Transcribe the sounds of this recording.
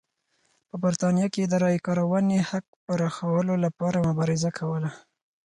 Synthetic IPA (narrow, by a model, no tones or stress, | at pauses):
pəbaɾt̪ɑnijɑked̪əɾɑjkɑɾawənehak̚pəɾɑxawəlolapɑɾamʊbɑɾɪzakʰawəla